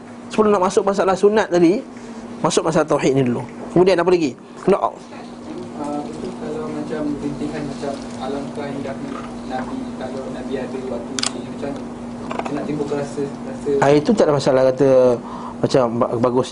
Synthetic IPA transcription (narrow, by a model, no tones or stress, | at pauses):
səpəlonaʔmasʊk̚mas̬alahsunat̪̚t̪adi | masʊk̚masalat̪awɦit̪̚nidulukəmudianap̬əlaɡi | nɔʔʔ | əmit̪ukalamat͡ʃambənt̪iŋanmat͡ʃam | alamkaidaknə | nabikalawnabiadəwat̪uimat͡ʃam | kənaʔt̪imbukəɾasə | ɾasəait̪ut̪aʔlamasaalahkat̪ə | mat͡ʃambabaɡʊs